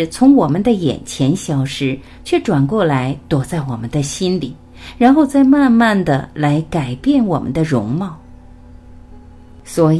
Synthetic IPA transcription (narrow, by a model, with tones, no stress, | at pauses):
t͡sʰʊ˧˥ŋwɔ˨˩mə˦nd̪ə˧jɛ̰˨˩nt͡ɕʰjɛ˧˥nɕjɑ˨˩ʊʂɻ̩˧˥ | t͡ɕʰɥɛ˥˩ʈ͡ʂwa˨˩nkwɔ˥˩la˧˥ɪt̪wɔ˨˩t͡sa˥˩ɪwɔ˨˩mə˦nd̪ə˧ɕi˥nli˨˩˦ | ɻa˧˥nxo˥˧ʊt͡sa˥˧ɪma˥˧nma˥˩nd̪ə˩la˧˥ɪka˨˩ɪpjɛ˥˩nwɔ˨˩mə̰˦nd̪ə˧ɻʊ˧˥ŋmɑ˥˩ʊ | swɔ˧˥